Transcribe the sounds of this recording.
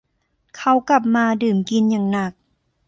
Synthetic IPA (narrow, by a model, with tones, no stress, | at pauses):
kʰa˧˩wka˧˩p̚maː˧dɯː˨˩mki˧nɲaː˨˩ŋna˧˨˩k̚